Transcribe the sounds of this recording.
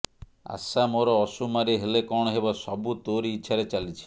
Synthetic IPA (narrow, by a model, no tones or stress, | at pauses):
a̰samoɾɔːsumaɾiɦelekɔɽ̃ɔɦebɔsɔbut̪oɾiːtːʃʰaɾet͡ʃalit͡ʃʰi̥